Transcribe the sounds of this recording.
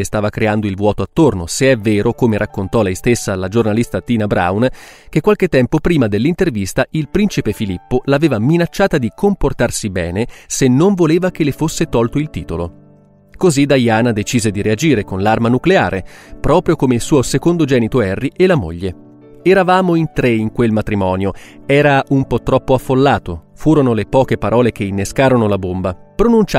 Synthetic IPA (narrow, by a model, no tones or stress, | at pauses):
est̪aːvakɾeand̪oilvwɔːt̪oat̪ːornoseɛvːeːɾʔokomeɾʔakːont̪ɔlɛjst̪esːalad͡ʒornalist̪at̪iːnabɾa̰wnk̟ekːwalk̟et̪ːɛmpopɾiːmad̪elːint̪ervist̪aʔilpɾint͡ʃipefilipːolaveːvaminat͡ʃːaːt̪ad̪ikomport̪arsibɛ̰ːnesenːoɱvoleːvak̟elːefosːet̪ɔlt̪oilt̪iːt̪olo | kozid̪ajaːnad̪et͡ʃiːzed̪iɾead͡ʒiːɾekonlarmanuklea̰ːɾʔepɾɔːpɾjokomeilsuːosekond̪od͡ʒɛːnit̪oɛrːielamo̰ʎːe | ɛɾavaːmoint̪ɾeiŋkwelmat̪ɾimɔːnjoɛːɾaʔumpɔt̪ːɾɔpːoafːolːaːt̪ofuːɾonolepɔːkepaɾɔːlek̟einːeskaːɾonolabombapɾonunt͡ʃa